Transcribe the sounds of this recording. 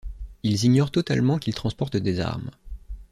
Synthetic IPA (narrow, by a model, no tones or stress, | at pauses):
ilziɲɔʁt̪ɔt̪a̰lmɑ̃kʲilt̪χɑ̃spɔʁt̪d̪eza̰ʁm